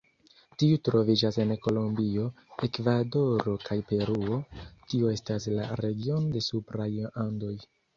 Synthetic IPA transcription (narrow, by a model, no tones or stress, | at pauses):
tiutɾo̞vid͡ʒase̞nko̞lombio̞ | e̞kvado̞ɾo̞kʰajpe̞ɾuo̞tioe̞staslaɾe̞ɡio̞nde̞supɾajando̞j